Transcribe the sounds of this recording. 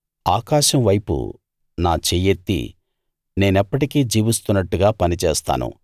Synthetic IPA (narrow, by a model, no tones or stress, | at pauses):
aːkaːʃɐmʋɐjpṵ | naːt͡ʃeːjet̪ːḭ | ne̞ːnɛpːɐʈikiːd͡ʒiːʋist̪unːɐʈːuɡaːpɐnit͡ʃɛːst̪a̰ːnṵ